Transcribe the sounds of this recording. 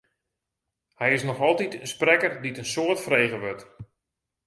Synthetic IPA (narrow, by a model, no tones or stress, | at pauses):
hɛjɪsnɔxɔlˠtitənsprɛkərditənsoːətfrejɣəʋøt